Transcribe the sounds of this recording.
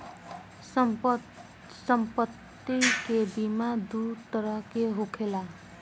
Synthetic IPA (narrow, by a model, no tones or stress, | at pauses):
səmpət̪ːikebimad̪ut̪əɾʌɦkeɦokʰela